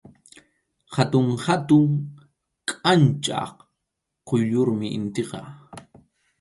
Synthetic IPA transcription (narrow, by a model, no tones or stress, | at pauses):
hat̪ʊŋhat̪ʊŋ | kʼant͡ʃʼɑ̰h | qojʎʊɾmɪʔɪ̰nt̪eqɑ